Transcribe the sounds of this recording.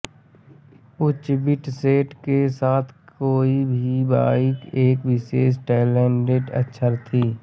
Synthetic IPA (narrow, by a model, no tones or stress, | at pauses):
ʊt͡ʃbɪʈseːʈkesaːt̪ʰkoːibʱiba̰ːɪkeːkʋɪʃeːs̬ʈɛːɪleːɳɖeːʈə̰tːʃʰəɾt̪ʰiː